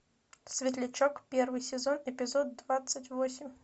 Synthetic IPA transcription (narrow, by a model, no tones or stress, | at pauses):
svʲɪt̪̬lʲɪt͡ɕokpʲervɨjsʲɪzonɪpʲɪzod̪ːvat̪sətʲvosʲɪmʲ